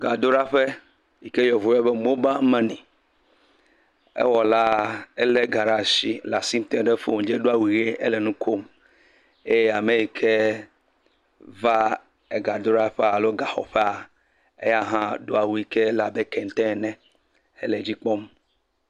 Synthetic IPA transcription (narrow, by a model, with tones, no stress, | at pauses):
ɡa˨d̪o˦ɾa˦ɸe˦ | ji˨ke˦jɔ˨vu˨jɛ˦be˦mo˦ba˦mɛ̃˦nĩ˨ | ḛ˦wɔ˨la˦ɛ˦le˦ɡa˨ɖa˨si˦la˨si˦n˦t̪ɛ̃˦ɖe˦fo˦˨m˨d͡ʒe˦ɖo˦a˦˨wu˨ɣe˦e˦le˨nũ˦kʰo˦m | e˦je˦a˨mẽ˨ji˨kʰe˦ | va˦ | e˨ɡa˨d̪o˦ɾa˦ɸɛ˦a˨lo˦ɡa˨xɔ̰˨ɸɛ˦a˨ | ḛ˦ja˦ɦã˦ɖo˦a˨wu˦i˨ke˦la˨be˦kɛ̃˨n˨t̪ɛ̃˦˨nɛ̃˦ | ḛ˦le˨d͡ʑi˦k͡pɔ˦m